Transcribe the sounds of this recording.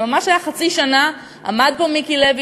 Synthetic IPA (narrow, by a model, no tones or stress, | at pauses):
mamaʃajaχat͡siʃana | a̰mad̪̚pomikilevi